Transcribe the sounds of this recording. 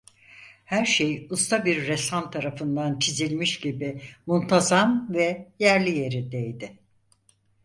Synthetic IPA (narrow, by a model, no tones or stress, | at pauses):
hæɾʃejust̪ʰabiɾːɛsamt̪ʰaɾafɯnd̪ant͡ʃʰizilʲmiʃɟibɪmunt̪ʰazamvɛjæɾlʲije̞ɾid̪ejd̪ɪ